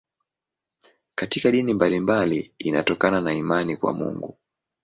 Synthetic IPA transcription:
katikaɗinimbalimbaliina̰tɔkananaimanikwa̰mṵŋɡu

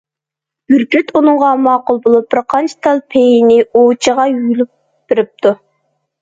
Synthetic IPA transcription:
b̥ʲyɾkʲyt̪unɨŋʁɑmɑːqʊlˠbolˠup̚b̥ɪɾqʰɑnt͡ʃʰi̥t̪ʰɑlˠpʰejinɪot͡ʃʰəʁɑjylup̚ | b̥ɪɾɪp̚t̪ʰu

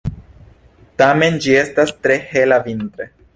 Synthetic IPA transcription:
tame̞nd͡ʒie̞stastɾe̞he̞lavint̪ɾe̞

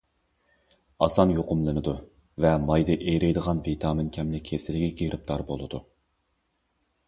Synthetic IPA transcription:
ɑsɑnjoqʊmlˠɨnɨd̪u | vɛmɑjd̪ɨʔejɾɛjd̪əʁɑnvit̪ʰɑːmɪnkʲʰɛmnɪkʲʰesɪlɪɡʲiɡʲiɾʔɪp̚t̪ʰɑɾbolˠɨd̪u

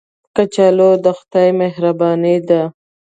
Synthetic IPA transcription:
kat͡ʃalod̪əxt̪ajmeɦɾabɑnid̪a

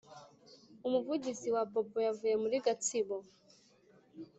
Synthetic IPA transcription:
umuvud͡ʒiziwabɔbɔjavujɛmuliɡatʰibɔ

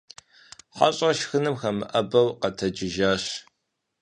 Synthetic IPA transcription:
ħa̰ɕʼɐʃxɨnɨmxɐmɨ̰ʔɐbɐwqɐtʰɐd͡ʒɪʒaːɕ

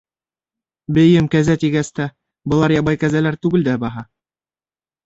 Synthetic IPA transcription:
bɘ̆jɘmkæzæt̪iɡæst̪æ | bɤ̆lˠɑɾjɑβɑjkæzælæɾt̪ʉɡɘld̪æbɑɦɑ

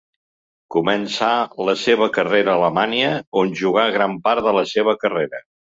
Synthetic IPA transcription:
kumənsaləseβəkəreɾəːləmaniəonʲʒuɣ̞aɣ̞ɾampaɾðələseβ̞əkəreɾə

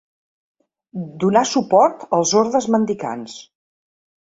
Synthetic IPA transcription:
d̪unasupɔɾt̪əlˠzoɾðəzmənd̪ika̰ns

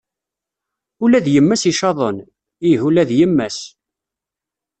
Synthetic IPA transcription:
ʊlæðjəmːæsiʃɑðˤən | iɦulæðjəmːæs

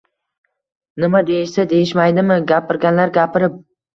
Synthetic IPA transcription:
nɪmad̪ejɪʃsad̪ejɪʃmajd̪ɪmɪɡʲapɪɾɡʲanlaɾɡʲapʰɪɾɪp̚

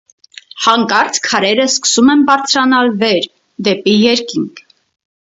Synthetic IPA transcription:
hɑŋkɑɾt͡skʰːɑɾɛɾəskə̥sumɛnbɑɾt͡sʰɾɑnɑlvɛɾ | d̪ɛpijɛɾkiŋkʰ

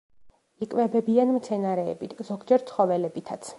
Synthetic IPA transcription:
ikʼvɛbɛbianmt̪sʰɛnaɾɛ̰ːbit̪ʰz̥ɔɡd͡ʒɛɾt̪sʰχɔvɛlɛbit̪ʰat̪sʰ

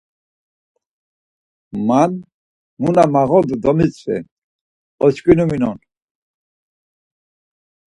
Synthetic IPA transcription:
man | munamaɣɔd̪ud̪ɔmit͡sʰvɛ̰ | ɔt͡ʃkʼinuminɔn

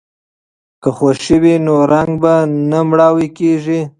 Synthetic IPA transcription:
kəxaʃəwinoɾaŋɡbanamɽɑwikeʒi

